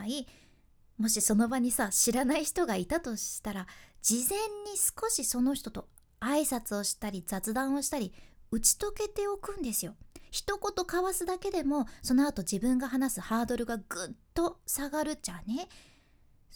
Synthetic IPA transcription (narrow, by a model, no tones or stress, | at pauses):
i | mo̞ɕiso̞no̞baɲ̟isaɕiɾanaiçi̥t̪o̞ɡait̪at̪o̞ɕi̥t̪aɾad͡ʑizẽ̞ɲ̟ːisɨ̥ko̞ɕiso̞no̞çi̥t̪o̞t̪o̞ | aisat͡sɨo̞ɕi̥t̪aɾʲizat͡sɨd̪ãɰ̃o̞ɕi̥t̪aɾʲiɯ̟t͡ɕi̥t̪o̞ke̞t̪e̞o̞kɯ̟̃nd̪e̞sɨjo̞çi̥t̪o̞ko̞t̪o̞kaβasɨd̪ake̞d̪e̞mo̞so̞no̞at̪o̞d͡ʑibɯ̟̃ŋɡaɦanasɨhaːd̪o̞ɾɯ̟ɡaɡ̥ɯt̪ːo̞saɡaɾɯ̟t͡ɕane̞